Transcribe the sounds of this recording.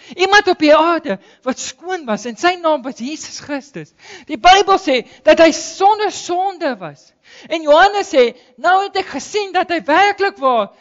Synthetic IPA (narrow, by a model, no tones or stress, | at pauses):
imɐntɔpiɑːrdə | vɐtskuənvɐsɛnsəjnɑːmvɐsjiːsə̥sχɾəstəs | d̥ibəjbəlˠsɛd̥ɐtɦəjsɔndərsɔndəvɐ̰s | ɛnjuɦɐnəsːɛ | nəwɦɛtækχəsindɐtɦəjværkləkvɑːr